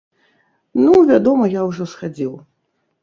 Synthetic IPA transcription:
nuvʲad̪ɔmɐjawʐɔsxad͡zʲiw

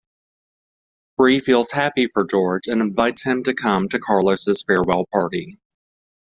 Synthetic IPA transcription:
b̥ɹifilˠz̥hæpifə˞d͡ʒɔɹd͡ʒɨ̃nɨ̃ɱvaɪtshɨ̃mtɨkʰʌ̃mtʰɨkʰɑɹlˠəsɨz̥fɛɹwɛlˠpʰɑɹɾi

